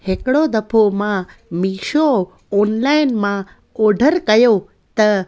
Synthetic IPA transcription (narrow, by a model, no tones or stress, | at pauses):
hekɽod̪əpʰomãmiʃo | ɔnlainmã | oɖʱəɾkəjo | t̪ə